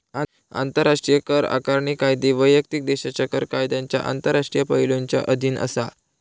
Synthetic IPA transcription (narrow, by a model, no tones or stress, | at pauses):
a | a̰nt̪əɾːaʂʈɾijəkəɾa̰kaɾɳikajd̪eʋəjjək̚t̪ik̚d̪eɕat͡ɕakəɾkajd̪aɲt͡ɕja̰ʔa̰nt̪əɾːaʂʈɾijəpəɦiloɲt͡ɕja̰ʔəd̪ʱiːnə̰sa̰